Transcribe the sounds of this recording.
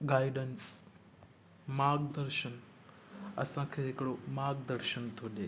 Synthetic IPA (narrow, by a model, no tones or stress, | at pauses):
ɡaːiɖəns | maːɡd̪əɾʃən | ɐ̰sãkʰeɦɪkɽomaːɡd̪əɾʃənt̪ʰoɗe